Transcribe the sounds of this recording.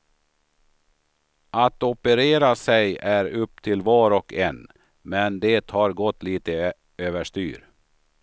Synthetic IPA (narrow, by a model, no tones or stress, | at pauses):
ʔat̪ɔpəɾeːɾasɛjæɾɵpːt̪ʰɪlvɑːɾɔkʰɛn | mɛnd̪eːt̪hɑɾɡɔt̪ːliːt̪ə | øːvəʂt̪y̰ːɾ